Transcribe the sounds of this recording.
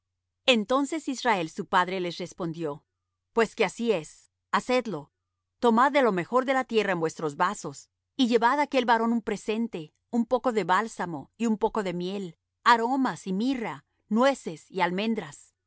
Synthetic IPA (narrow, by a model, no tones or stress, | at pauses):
e̞nt̪o̞nse̞sisrae̞lsupaðɾe̞le̞sre̞spo̞nd̪jo̞ | pwe̞skeasie̞s | ase̞d̪lo̞ | t̪o̞maðːe̞lo̞me̞xo̞ɾðe̞lat̪je̞raenbwe̞st̪ɾo̞zβaso̞s | iʝe̞βaðake̞lβaɾo̞numpɾe̞se̞nt̪e̞ | umpo̞ko̞ðe̞βalsamo̞iumpo̞ko̞ðe̞mje̞l | aɾo̞masimira | nwe̞se̞sialmẽ̞nd̪ɾas